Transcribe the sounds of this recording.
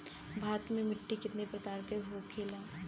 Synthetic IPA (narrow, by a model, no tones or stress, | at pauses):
bʱaːt̪mẽmɪʈːikɪt̪nepɾɐt̪aːɾt̪eɦokʰeːlaː